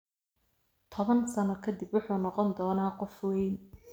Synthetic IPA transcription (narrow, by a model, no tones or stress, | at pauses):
t̪ʰɔβɐnsɐnɔkʰɐd̪ɪbwʊħuːnɔqɔnd̪ɔːnaːqɔfwɛjn